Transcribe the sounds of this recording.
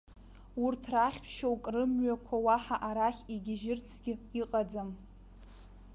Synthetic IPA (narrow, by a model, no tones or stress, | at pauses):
urtʰraχʲpʰʃowkʼrɨmɥakʷʰawaħaʔaɾaχʲiɡʲɪʒɪrt͡sʰɡʲɪiqʼad͡zam